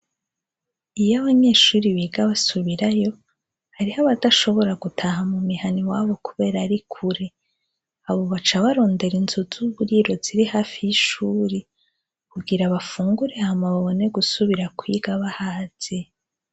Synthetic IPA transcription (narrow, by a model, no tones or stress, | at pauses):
ijaβaɲe̞ːʃuːɾiβiːɡaβasuβiɾajo̞ | haɾihaβadaʃo̞βo̞ɾaɡutʰaɦamumihaniwaːβo̞kuβe̞ːɾaɾikʰuɾi | aβo̞βat͡ʃaβaɾo̞ːnde̞ɾinzuzuβuɾiːɾo̞ziɾihaːfijiʃuːɾi | kubɡiɾaβafuːŋɡuɾe̞hamaβaβo̞ne̞ɡusuβiɾakwiɡaβahaːz̥e